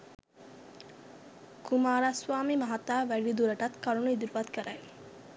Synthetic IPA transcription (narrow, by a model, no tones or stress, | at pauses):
kumaːɾasʋaːmimɐɦat̪ːaːʋæɖid̪uɾɐʈat̪kaɾunuid̪iɾuʋat̪kəɾʔaj